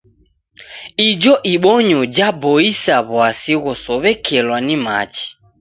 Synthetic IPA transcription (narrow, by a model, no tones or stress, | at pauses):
id͡ʒɔʔiɓɔɲɔd͡ʒabɔisaβwasiɣɔsɔβɛkʰɛlwanima̰t͡ʃi̥